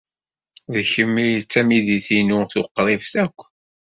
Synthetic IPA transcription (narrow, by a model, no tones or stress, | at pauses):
ðçəmːijt͡sːæmiðiθinuθʊqːɾˤɪvθækʷː